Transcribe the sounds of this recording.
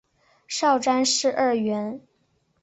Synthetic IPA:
ʂɑ˥˩ʊʈ͡ʂa˥nʂɻ̩˥˧ʔə˥˩ɥɛ˧˥n

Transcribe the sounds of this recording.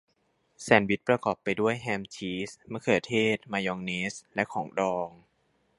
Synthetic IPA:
sɛː˩˦nwi˦˥t̪̚pɾa˧kɔː˨˩pːa˧jdu˥˩əjɦɛː˧mt͡ɕʰiː˦˥sma˥˩˨kʰɤː˧˩t̪ʰeː˥˩t̪̚maː˧jɔː˧ŋneː˦˥slɛ˦˥ʔkʰɔː˩˦ŋdɔː˧ŋ

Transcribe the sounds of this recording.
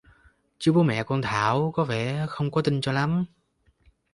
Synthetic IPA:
t͡ɕɨ˨˦ɓo˨˦mɛ̰˧˨kɔ˧nt̪ʰaː˧˩wkɔ˨˦vɛ˧˩˨xə˧wŋ͡mkɔ˨˦t̪ï˧ŋt͡ɕɔ˧la˨˦m

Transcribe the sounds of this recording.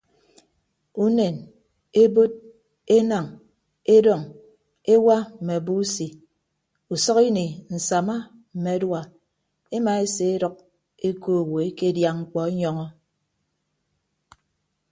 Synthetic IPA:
u˦ne˨n | e˦bo˦t̚ | e˦na˨ŋ | e˦dɔ˨ŋ | e˦wa˦m̩˨me˨bu˦si˨ | u˨sɔ˦ki˦ni˨n̩˨sa˨ma˦m̩˨me˨˦dwa˨ | e˦ma˨e˦se˨e˦dɔ˦k̚ | e˦ko˦˨we˨e˦ke˦dja˨ŋ̩˦˨k͡pɔ˨e˦ɲɔ˦ŋɔ˦

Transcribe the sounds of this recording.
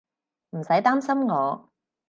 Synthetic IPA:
m̩˨˩sɐ˨˥jt̪aː˥msɐ˥mŋɔː˨˧

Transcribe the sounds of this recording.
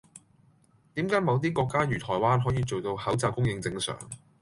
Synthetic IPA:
t̪iː˨˥mkaː˨˥jmɐ˨˧wt̪̬iː˥kɔː˧kːaː˥jyː˨˩t̪ʰɔː˨˩jwaː˥nɦɔː˨˥jiː˧t͡so˨wt̪o˧whɐ˨˥wt͡saː˨˧wkʊ˥ŋjɪ˧ŋt͡sɪ˧ŋsœ̰ː˨˩ŋ

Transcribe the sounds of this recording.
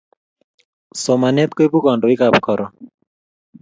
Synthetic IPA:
so˨ma˨ne˦t̪̚ko˦jbu˦kɔ˨nɖo˨i˦ka˨pkɔ˨ɾɔ˨

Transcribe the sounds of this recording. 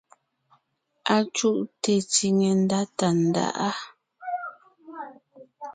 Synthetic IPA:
a˨t͡ʃu˦ʔte˨t͡si˨ŋe˨n˦da˦ta˨n̩˨da̰˦ʔa˦

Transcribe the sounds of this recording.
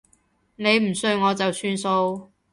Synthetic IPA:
ne˨˧jm̩˨˩sɵ˧ŋɔː˨˧t͡sɐ˨wsyː˥nso˧w

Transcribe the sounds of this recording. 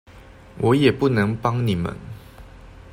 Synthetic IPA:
wʔɔ˨˦jɛ˨˩pu˥˨nɤ˧˦ŋpɑ˦ŋni˨˩mə̰˨˦n

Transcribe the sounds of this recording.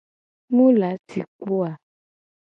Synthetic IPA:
mũ˦la˨˦ti˨k͡po˦a˨

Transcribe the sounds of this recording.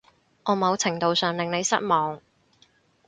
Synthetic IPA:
ŋʔɔː˨˧mɐ˨˧wt͡sʰɪ˨˩ŋt̪o˨wsœː˨ŋlɪ˨ŋne˨˧jsɐ˥t̚mɔː˨˧ŋ

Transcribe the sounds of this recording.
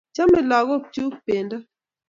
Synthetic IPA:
t͡ʃa˦mɛ˦lɔ˨ɣɔ˦˨t͡ʃu˦kpe˨nda˦

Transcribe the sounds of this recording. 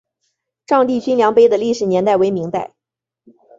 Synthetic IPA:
ʈ͡ʂɑ˥˧ŋt̪i˥˩t͡ɕy˥nljɑ˧˥ŋpe˥ɪd̪ə˨li˥˩ʂɻ̩˨˩njɛ˧˥nt̪a˥˩ɪwe˧˥ɪmi˧˥ŋt̪a˥˩ɪ

